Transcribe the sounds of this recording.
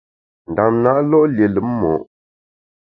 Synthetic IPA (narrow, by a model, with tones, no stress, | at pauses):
n̩˨da˨mna˦ʔlɔ˦ʔlje˨lɨ˨˦m˦mɔ̰˨ʔ